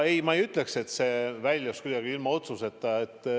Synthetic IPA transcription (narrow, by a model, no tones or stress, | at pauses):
ejmɑejyt̪ˑle̞kse̞t̪se̞vælʲjuskujd̪̥ɑɡ̥iilmɑo̞t̪suse̞t̪ˑːɑet̪ːˑ